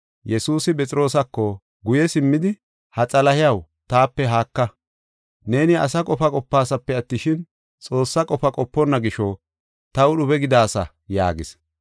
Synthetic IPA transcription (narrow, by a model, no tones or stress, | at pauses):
jɛsuːsɪpʼɛt͡sʼɪɾo̞ːsɐkːɔ | ɡʊjɛsɪmːɪd̪ɪ | hɐt͡sʼɐlɐhɪjɐw | t̪aːpːɛɦaːkːɐ | ne̞ːnɪɐsɐkʼɔfɐkʼɔpːaːsɐpːɛɐt̪ːɪʃɪn | t͡sʼo̞ːsːɐkʼɔfɐkʼɔpːɔnːɐɡɪʃɔ | t̪ɐwʊɗʊbɛɡɪd̪aːsɐ̰ | ja̰ːɡɪs